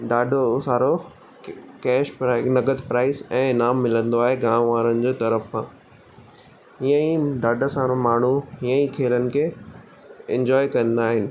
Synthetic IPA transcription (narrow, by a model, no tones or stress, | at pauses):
ɖaːɖʱosaːɾo | kɛːʃpɾanɐɡəd̪pɾaːɪsɛ̃ːnaːmːɪlə̃nd̪oaːɦeɡãːmʋaːɾənɪ̆d͡ʑeːt̪ɐɾəfkãː | ɦiə̃ĩɖaːɖʱəsaːɾomaːɳ̤uɦijə̃ĩkʰeːlənɪ̆kʰeː | ɛ̰̃ɲd͡ʑɔːikɐ̃nd̪aːɦɪnɪ̆